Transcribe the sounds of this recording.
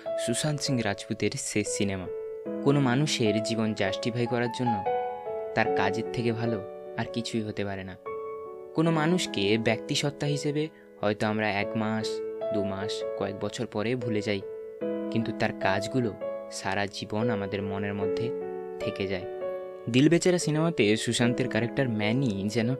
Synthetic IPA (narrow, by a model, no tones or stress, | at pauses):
susansiŋɾad͡ʑput̪iɾsesinema | konomanuʃeɾd͡ʑibond͡ʑaʃʈibʱajkɔɾaɾd͡ʑonːot̪aɾkad͡ʑeɾt̪ʰekebʱalo | aɾkit͡ɕʰujɦot̪epaɾena | konomanuʃkebɛk̚t̪iʃɔt̪ːaɦiʃebe | hɔet̪oamɾaɛkmaʃd̪umaʃkɔek̚bɔt͡ɕʰoɾpɔɾebʱuled͡ʑaj | kint̪ut̪aɾkad͡ʑɡuloʃa̰ɾad͡ʑibonamad̪eɾmoneɾmod̪ʱːet̪ʰeked͡ʑae | d̪ilbet͡ɕaɾasinemat̪eʃuʃant̪eɾkaɾek̚ʈaɾmɛnid͡ʑɛno